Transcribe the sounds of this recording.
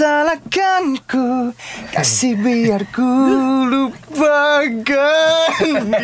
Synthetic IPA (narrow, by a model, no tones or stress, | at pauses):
alakankuka̰sibiarkulupakan